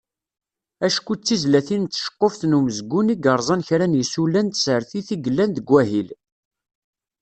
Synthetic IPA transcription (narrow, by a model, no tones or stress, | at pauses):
æʃkʷut͡sːizlæθint̪ːʃə̥qːofθnuməzɡuniɡəɾˤzˤɑnçɾænjəsulænt̪səɾθiθiɡəlːænd̪əɡʷæɦil